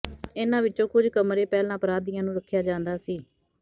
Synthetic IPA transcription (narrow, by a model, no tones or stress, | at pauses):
ɪnãːʋɪtːt͡ʃõːkʊd͡ʒkəmɾeːpɛːlãːpəɾaːd̪ɪjãːnũːɾəkʰːjaːd͡ʒãːnd̪aːsiː